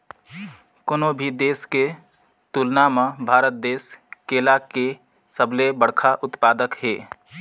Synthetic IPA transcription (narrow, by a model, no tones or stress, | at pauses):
koːnobʱid̪eːske | t̪ulnaməbʱaːɾət̪̚d̪eːskeːlake | səblebəɽkʰaʔʊt̪paːd̪əkɦeː